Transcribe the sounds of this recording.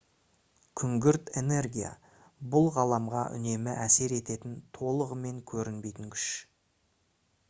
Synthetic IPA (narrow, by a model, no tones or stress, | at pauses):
kʲʰʏŋɡʲɪɾt̪e̞ne̞rɡʲija̰ | bʊlˠʁɑlˠɑmʁɑʔʏ̰ne̞mɪʔæse̞ɾe̞t̪e̞t̪ɪnt̪ʰo̞lˠəʁəme̞ŋkʲʰɵɾɪnbe̞jt̪ɪŋkʲʰʏ̥ʃ